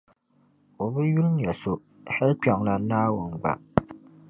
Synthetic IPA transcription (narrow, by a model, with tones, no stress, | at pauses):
o˨bɨ˦ju˦lŋ˦jɛ˨so˨ | hɛ˦lk͡pa˨ŋla˨˦naː˦wʊ˨nɡ͡ba̰˨